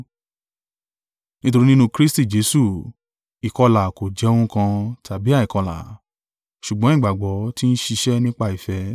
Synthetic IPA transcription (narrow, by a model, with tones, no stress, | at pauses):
nĩ˦to˧ɾi˦nĩ˦nũ˧kɾi˦sti˦˨d͡ʒe˨˦su˦˨ | i˨kɔ˧la˨ko˨d͡ʒɛ˨˦o˧˦ũ˦kã˧ta˨bi˨˦a˦˨i˨kɔ˧la̰˨ | ʃu˨ɡ͡bɔ̃˦ĩ˦˨ɡ͡ba˨ɡ͡bɔ˨˦ti˦n̩˦ʃi˧ʃɛ˦nĩ˦k͡pa˦˨i˨fɛ˨˦